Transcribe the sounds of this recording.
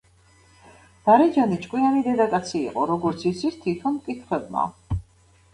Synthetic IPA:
d̪̥aɾɛd͡ʒanit͡ʃʼkʼwianid̪ɛd̪akʼat̪sʰḭːqʼɔɾɔɡɔɾt̪sʰit̪sʰit̪ʰit̪ʰɔnmkʼit̪ʰχwɛbma̰

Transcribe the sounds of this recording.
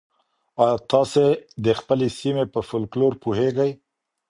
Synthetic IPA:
ɑjt̪ɑsed̪əxpəlesimepəfʊlkloɾpuɦeɡaj

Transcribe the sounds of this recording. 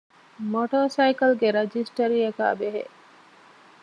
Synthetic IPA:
moʈoːsɐikɐlɡeɾɐd͡ʒisʈɐɾiɐka̰ːbeɦḛʔ

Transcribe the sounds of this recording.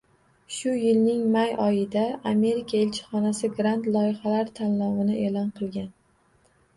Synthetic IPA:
ʃʊjɪlnɪŋmajɒjɪd̪aame̞ɾikʰaelt͡ʃʰɪ̥χɒnasɪɡɾant̪lˠɒjɪχalaɾt̪ʰanːɒwɪnɪʔe̞lɒnqʰɨlˠɡʲan

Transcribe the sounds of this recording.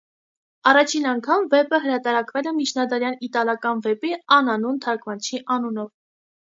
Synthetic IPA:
ɑrɑt͡ʃʰinɑŋkʰɑmvɛpəɦəɾɑt̪ɑɾɑkvɛlɛmit͡ʃʰnɑd̪ɑɾjɑnit̪ɑlɑkɑnvɛpiɑnɑnunt̪ʰɑɾkvɑnt͡ʃʰiʔɑnunɔv

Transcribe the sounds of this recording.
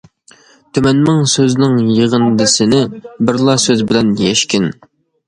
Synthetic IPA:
t̪ʰymɛnmɪŋsøznɪŋjeʁənd̪ɪsɪnɪbɪɾlˠɑsøzbɪlɛnjɛʃkʲɪn

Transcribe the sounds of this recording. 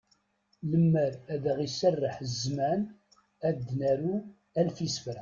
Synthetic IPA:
ləmːəɾæðəʁisərːəħzmæn | æd̪ːnæɾu | ælfisfəɾ

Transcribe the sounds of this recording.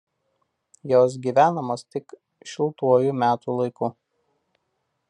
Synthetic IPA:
joːs̬ɡʲiːʋʲæːnɐmoːst̪ʲɪk | ʃʲɪlˠt̪uɔjuːˑmʲæːt̪uːlˠɐɪkuː

